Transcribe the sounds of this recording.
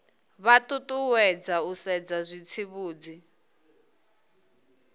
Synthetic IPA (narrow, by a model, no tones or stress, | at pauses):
βatʼutʼuwɛd͡zausɛd͡zazʷit͡sʰiβuːd͡zi